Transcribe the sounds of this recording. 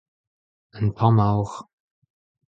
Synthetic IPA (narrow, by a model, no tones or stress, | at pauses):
ənpʰɔmawx